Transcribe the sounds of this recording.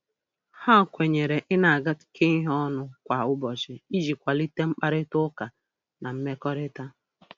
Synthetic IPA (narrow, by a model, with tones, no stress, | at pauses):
ha˦˨kʷe˨ɲe˨ɾe˨ʔɪ˦na˨a˨ɡa˦tɪ̥˨kʰe˦i˦ɦɔ˦nʊ˦kʷa˨ʊ˦bɔ˨t͡ʃɪ˨i˦d͡ʒi˨kʷa˨li˦te˦ŋ͡m̩˦k͡pa˦ɾɪ˦tʊ˦ka˨ | na˨m̩˦me˦kɔ˦ɾɪ˦ta˦